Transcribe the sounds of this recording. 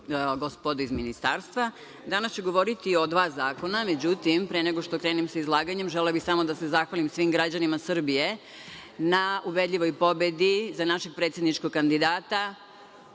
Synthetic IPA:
ɡospod̪oizminist̪aːɾst̪ʋa | d̪anast͡ɕeɡo̞ʋo̞ɾit̪io̞d̪ʋaːzaːko̞named͡ʑut̪impɾeneɡo̞ʃt̪o̞kɾe̞ːnimseizlˠaːɡaɲe̞mʒellabixsamo̞d̪asezaxʋalimsʋimɡɾad͡ʑanimasr̩bije̞ | nauʋe̞d̪ʎʲiʋo̞jpo̞be̞d̪izanaʃeɡ̚pɾet̪sjed̪nit͡ʃkoɡ̚kand̪id̪aːt̪a

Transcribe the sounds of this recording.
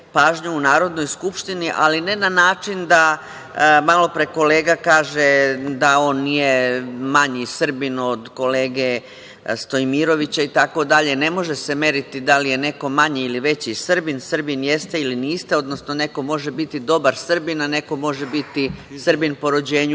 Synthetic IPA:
paːʒɲuunaːɾo̞d̪no̞jskupʃt̪iniʔa̰line̞nanaːt͡ʃind̪a | malo̞pɾe̞ko̞le̞ːɡakaːʒe̞d̪ao̞ːnːije̞maɲisr̩bino̞d̪ko̞le̞ːɡe̞ | st̪o̞imiɾo̞ʋit͡ɕait̪ako̞d̪aʎene̞mo̞ʒese̞me̞ːɾit̪id̪alije̞ne̞ko̞maɲeiliʋe̞t͡ɕisr̩binsr̩binje̞st̪e̞iliniːst̪eo̞d̪no̞sno̞ne̞ko̞mo̞ʒebit̪id̪o̞baɾsr̩binane̞ko̞mo̞ʒe̞bit̪isrbinpo̞ɾod͡ʑe̞ːɲu

